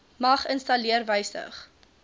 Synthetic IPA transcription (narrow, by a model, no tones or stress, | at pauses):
mɐχənstɐliərvəjsə̰χ